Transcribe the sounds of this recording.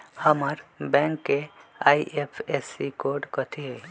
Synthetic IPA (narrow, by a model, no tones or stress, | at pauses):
həməɾbɛ̃ŋkːeaiʔepʰesikoɾɖkət̪ʰie